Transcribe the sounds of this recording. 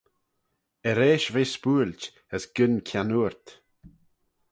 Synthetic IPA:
əɾeːʃveːspuːlʲt | əsɡ̥ənkʰjanuɹt̪

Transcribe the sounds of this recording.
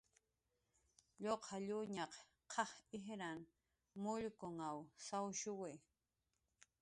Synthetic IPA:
ʎoqʰɑʎʊɲɑq | qʰɑhɪɦɾan | mʊʎkʊŋawsawʃʊwɪ

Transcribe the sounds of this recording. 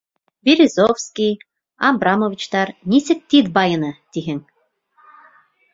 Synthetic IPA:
vʲiɾʲizofskʲij | ɑbrɑmovʲit͡ɕt̪ɑrnʲisʲɘ̆t̪t̪ːid̪bɑjɤ̆nɤ̆t̪ʲiɦɘ̆ŋ

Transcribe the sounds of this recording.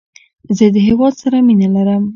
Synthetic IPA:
zəd̪əɦewɑd̪saɾaminalaɾəm

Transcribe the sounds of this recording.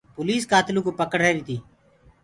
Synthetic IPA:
poːliːskaːt̪lũːkoːpəkəɽ̤eːɾiːt̪ʰiː

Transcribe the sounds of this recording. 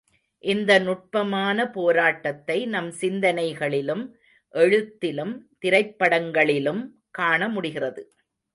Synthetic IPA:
ʔɪnd̪ɐnʊʈ̚pɐmaːnɐpoːɾaːʈːɐt̪ːɐɪnɐmsɪnd̪ɐnɐɪɣɐɭɪlɯm | ʔɛɻɯt̪ːɪlɯmt̪ɪɾɐɪpːɐɽɐŋɡɐɭɪlɯm | kaːɳɐmʊɽɪɣɪrɐðɯ

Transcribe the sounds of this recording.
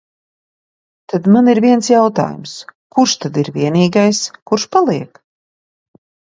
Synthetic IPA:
t̪ad̪maniɾviɛnsjawt̪a̰ːjṵmskuɾʃt̪ad̪iɾvʲiɛniːɡajskuɾʃpalˠiɛk

